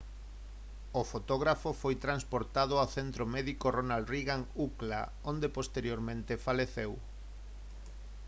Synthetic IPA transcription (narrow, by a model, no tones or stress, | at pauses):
ofot̪oɣɾafofojt̪ɾanspoɾt̪aðʊawθent̪ɾomɛðikoronald̪riɣaŋukla̰ | ond̪epost̪eɾjoɾmẽnt̪efaleθew